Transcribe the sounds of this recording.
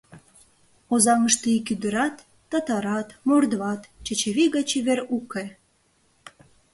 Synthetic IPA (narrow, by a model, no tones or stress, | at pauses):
ozɑŋəʃt̪iikyd̪əɾɑt̪ː | ɑt̪ɑɾɑt̪mord̪βɑt̪t͡ɕət͡ɕeβiɣɑt͡ɕeβeruke